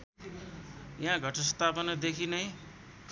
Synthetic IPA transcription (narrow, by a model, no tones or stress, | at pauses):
jãɡʱʌʈʌst̪apʌnʌd̪ekʰinʌj